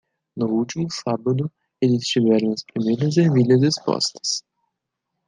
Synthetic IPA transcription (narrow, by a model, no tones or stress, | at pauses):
nʊut͡ʃimʊsabɐd̪ʊ | elɪst͡ʃivɛɾɐ̃w̃ɐspɾimejɾɐzeviʎɐzespɔ̰st̪ɐ̥s